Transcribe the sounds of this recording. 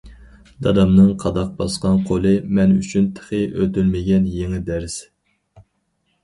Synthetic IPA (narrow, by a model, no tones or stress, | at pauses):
d̪̥ɑd̪ɑmnɨŋqʰɑd̪ɑq̚bɑsqɑnqʰolˠɨmɛnyt͡ʃʰynt̪ʰə̥χɨʔøt̪ylmɪɡʲɛnjeŋɪd̪æɾs